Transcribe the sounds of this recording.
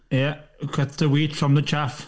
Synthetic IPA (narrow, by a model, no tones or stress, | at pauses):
jɛkʰətəwiːtfɹə̃mðət͡ʃʰaf